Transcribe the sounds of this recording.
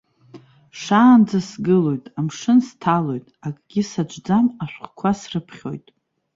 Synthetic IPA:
ʂaːnd͡zasɡɨlo̞jtʼamʂɨnstʰalo̞jtʼakʼɡʲɪsad͡ʒʷʼd͡zamaʃʷχkʷʰasrɨpʰχʲo̞̰jtʼ

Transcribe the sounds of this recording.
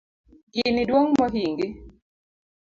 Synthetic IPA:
ɡɪnɪdwoŋmɔɦiŋɡɪ

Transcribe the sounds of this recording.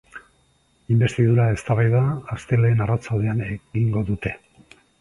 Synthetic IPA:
imbe̞st̪iðuɾae̞st̪aβajðaːst̪e̞le̞ːnarat͡sald̪e̞aneɡiŋɡo̞ðut̪e̞

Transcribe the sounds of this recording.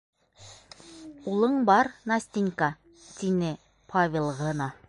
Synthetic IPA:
ulˠɤɴbɑɾnɑsʲt̪ʲiŋkɑ | t̪inɘ | pʰavʲelˠʁɤnɑ

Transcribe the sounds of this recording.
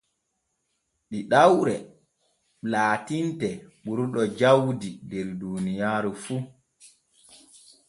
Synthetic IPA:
ɗiɗawɾɛ | laːtintɛɓuɾɗɔd͡ʒawdidɛɾduːnijaːɾifu

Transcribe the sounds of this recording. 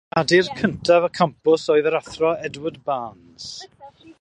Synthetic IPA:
adirkʰəntʰavəkʰampʊsɔɨðəɾaθrɔɛdwədbaːn | s

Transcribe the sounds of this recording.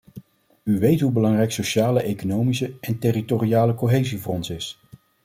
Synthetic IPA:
yʋejtɦubəlɑŋrɛjksoʃaːləʔejkonowmisəɛntɪritorijaːləkoɦejzivʊːrɔnsɪs

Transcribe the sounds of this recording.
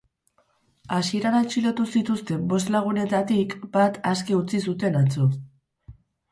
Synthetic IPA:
asie̞ɾanalt͡ʃilot̪usit̪ust̪e̞bo̞s̬t̪laɣ̞une̞t̪at̪ikbat̪askeut͡sisut̪e̞nat͡so

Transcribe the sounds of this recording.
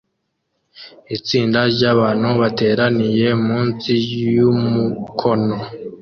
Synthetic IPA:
it͡siːndaɾɟaβaːnhuβate̞ːɾanije̞muːnsijumukʰo̞no̞

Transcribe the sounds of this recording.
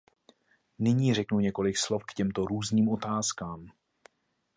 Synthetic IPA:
nɪɲiːrɛknuɲɛko̞lɪkslo̞fkcɛmt̪o̞ɾuːzniːmʔo̞t̪aːskaːm

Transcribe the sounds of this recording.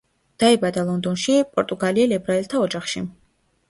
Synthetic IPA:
d̪̥aɛbad̪alˠɔnd̪ɔnʃipʼɔɾt̪ʼuɡaliɛlɛbɾaɛlt̪ʰaɔd͡ʒaχʃi

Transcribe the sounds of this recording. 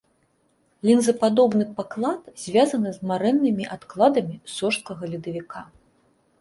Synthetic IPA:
lʲinzɐpad̪ɔbnɨpaklˠat̪zʲvʲazɐnɨzmaɾɛnːɨmʲiʔat̪klˠad̪ɐmʲisɔʂskɐɣɐlʲid̪ɐvʲikʰa

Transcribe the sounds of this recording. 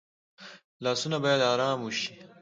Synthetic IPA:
laːsunɐbajɐd̪aːɾaːmuɕi̥

